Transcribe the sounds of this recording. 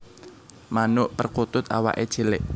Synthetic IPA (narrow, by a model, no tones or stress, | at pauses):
manʊʔpərkut̪ʊt̪a̰wa̰ʔed̥ʒ̥elɪʔ